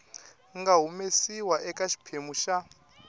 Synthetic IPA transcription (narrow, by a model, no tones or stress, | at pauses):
ŋɡaɦumesiwaʔɛkaʃi̥pʰemuʃa